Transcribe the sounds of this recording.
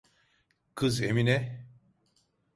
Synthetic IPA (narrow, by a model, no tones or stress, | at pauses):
kʰɯzeminɛ